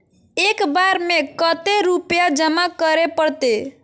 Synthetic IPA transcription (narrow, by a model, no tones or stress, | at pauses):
ekbaɾmekət̪eɾupjad͡ʒəmakəɾepəɽt̪e